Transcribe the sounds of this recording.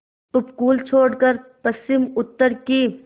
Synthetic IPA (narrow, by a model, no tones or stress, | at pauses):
ʊpkuːlt͡ʃʰoːɽkəɾpəst͡ʃɪmʊt̪ːəɾkiː